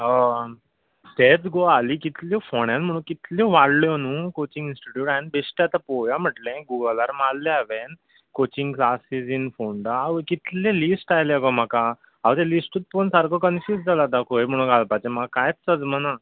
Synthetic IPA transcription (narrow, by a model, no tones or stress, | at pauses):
ɦɔ | t̪et͡sɡoaliːkit̪lifoɳjãnm̤əɽ̃ũnkit̪liʋaɽljɔnũːkot͡ɕĩŋɡinsʈiʈjuːʈajnbesʈat̪apɔjam̤əʈlẽɡuɡəlaɾmalːeaʋen | kot͡ɕĩŋɡklasisinfoɳɖaaʋkit̪lẽlisʈajleɡɔm̤aka | aʋt̪ẽlisʈət̪̚ponsaɾkɔkənfjuːsd͡zʱalad̪akʰojm̤əɽ̃ũːnɡʱalpat͡ɕẽm̤akajt͡ssəd͡zməna